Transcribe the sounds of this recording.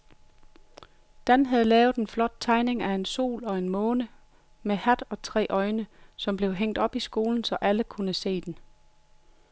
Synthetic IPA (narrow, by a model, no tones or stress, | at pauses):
d̥ænɦæð̞ˠlɛːʊð̩ˠenflɒ̽d̥̚t͡sʰɑ̈ɪne̝ŋæe̝nso̝̰ːlɒ̽e̝nmɔ̽ːnə | mehæd̥ɒ̽t͡sʰʁɛ̰ːʔɒ̽ɪnəsɒ̽mb̥le̝ʊɦeŋ̰d̥ɒ̽b̥isɡ̥o̝ːln̩sɒ̽ʔæləkʰunəse̝̰ːd̥en